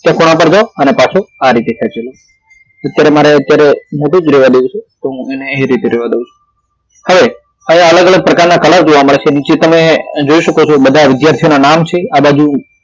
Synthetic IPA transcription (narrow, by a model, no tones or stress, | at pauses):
t̪jãkoɽ̃ãpəɾd͡ʒaoənepat͡ʃʰoaɾit̪ekʰɛt͡ʃelo | ət̪jaɾemaɾeət̪jaɾemoʈũd͡ʒɾeʋad̪eũt͡ʃʰut̪oɦũeneɦĩɾit̪eɾeʋad̪eũt͡ʃʰu̥ | həʋe | əɦĩãələɡələɡ̚pɾəkaɾnakəlaɾd͡ʒoʋaməɭet͡ʃʰenit͡ʃet̪əmed͡ʒoiʃəkot͡ʃʰobəd̪ʱaʋɪd̪jaɾt̪ʰionanamt͡ʃʰeabad͡ʒu